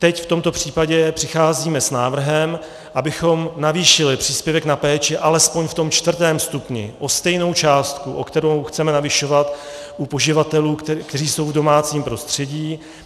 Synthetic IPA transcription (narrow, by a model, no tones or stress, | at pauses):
t̪ɛcft̪o̞mt̪o̞pr̝̥iːpaɟɛpr̥ɪxaːziːmɛsnaːvr̩ɦɛm | ʔabɪxo̞mnaviːʃɪlɪpr̝̥iːspjɛvɛknapɛːt͡ʃɛʔalɛspo̞ɲft̪o̞mt͡ʃt̪vr̩t̪ɛːmst̪upɲɪ̰ʔo̞st̪ɛjno̞wt͡ʃaːst̪kuʔo̞kt̪ɛɾowxt͡sɛmɛnavɪʃo̞vat̪ | ʔupo̞ʒɪvat̪ɛluːkt̪ɛriːso̞wvdo̞maːt͡siːmpɾo̞st̪r̝̥ɛɟiː